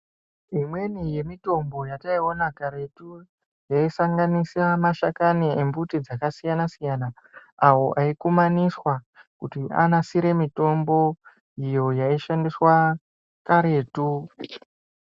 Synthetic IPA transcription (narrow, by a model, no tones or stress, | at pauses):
imwe̞nije̞mito̞mbo̞jataio̞nakaɾetu | jaisaŋɡanisamaʃakaniembutid͡zakasijanasijana | awo̞ʔaikumaniswa | kutia̰nasiɾe̞mito̞mbo̞ | ijo̞jaiʃandiswa | kaɾe̞ːtu